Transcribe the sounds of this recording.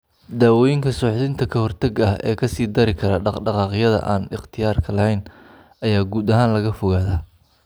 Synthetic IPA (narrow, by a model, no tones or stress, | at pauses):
d̪aːwɔjɪŋkʰɐsɔːħðɪnt̪ʰɐkʰɐhɔrt̪ʰɐɡɐɦɛ̰ːkʰɐsiːd̪ɐɾɪkʰɐɾɐɖɑɖɑqɑːqjɐðɐ̰ʔaːnɪχt̪ʰɪjaːrkʰɐlɐhɛjn | ɐjaːɡuːd̪ɐɦaːnlɐɣɐfʊɣaːðaː